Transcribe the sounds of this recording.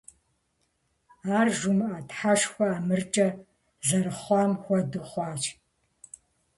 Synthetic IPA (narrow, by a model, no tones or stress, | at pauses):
aːrʒumɨʔɐtħaʂxʷɔaːmɨrt͡ʃʼɐ | zɐɾɨχʷɑːmxʷɔdɨχʷɑːt͡ʃʰʼ